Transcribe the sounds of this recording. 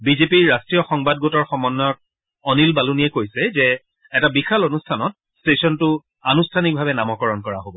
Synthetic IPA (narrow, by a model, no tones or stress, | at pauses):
bizepiɹːastɹijɔxɔŋbad̚ɡotɔɹxɔmɔnːɔt̚ | ɔnilbalunijɛkojsɛzɛ | ɛtabixalonustʰanɔt̚ | stesɔntʊ | anustʰanik̚bʱabɛnamɔkɔɹɔnkɔɹa̰ɦobɔ